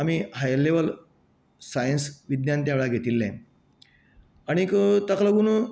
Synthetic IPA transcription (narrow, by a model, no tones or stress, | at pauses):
amiːɦajleʋəl | sajənsʋid̪njant̪jaʋeɭaɡʱet̪iːlːɛ̃ | aɽ̃ikət̪əkləɡuñu